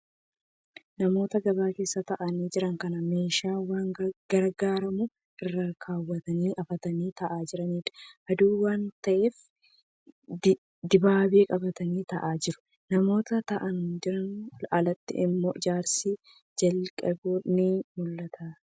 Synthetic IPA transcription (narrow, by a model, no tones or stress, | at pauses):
nɐmo̞ːt̪ɐɡɐbaːke̞ːsːɐt̪ɐʔɐniːd͡ʒɪɾɐŋkɐnɐme̞ːʃaːwaːŋɡ̥ɐɾɡaːɾɐmʊ | ʔɪrːɐkʰaːwːɐt̪ɐniːʔɐfɐt̪ɐniːt̪ɐʔaːd͡ʒɪɾɐniːᶑɐ̥ʔɐd̪uːwaːnt̪ɐʔeːf | d̪ɪbaːbeːkʼɐbɐt̪ɐniːt̪ɐʔaːd͡ʒɪɾʊ | nɐmo̞ːt̪ɐt̪ɐʔɐnd͡ʒɪɾɐnlʔalɐt̪ːɪ̰ʔɪmːoːʔɪd͡ʒaːɾsi | d͡ʒɐlkʼɐbuːnimʊlːɐt̪ʰa